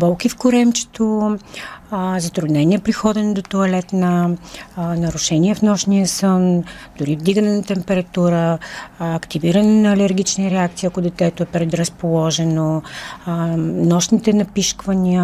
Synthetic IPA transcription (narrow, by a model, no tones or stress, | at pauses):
bɔlˠkifkʊɾɛmt͡ʃɛ̥t̪o | zɐt̪ɾʊd̪nɛniɛpɾixɔd̪ɛnod̪ot̪oɐlɛt̪nə | nɐɾʊʃɛniɛfnɔʃnijəsənd̪̥ʊɾivd̪iɡənɛnɐt̪ɛmpɛɾɐt̪uɾəː | kt̪iviɾɐnɛnɐːlɛɾɡ̟it͡ʃniɾɛakt̪siːɐkʊd̪ɛt̪ɛt̪oɛpɾɛd̪ɾəspolˠɔʒɛno | nɔʃnit̪ɛnɐpiʃkvɐniə